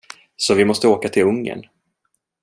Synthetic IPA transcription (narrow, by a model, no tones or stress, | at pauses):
sɔvɪmɔst̪əoːkat̪ʰɪlɵŋːə̰n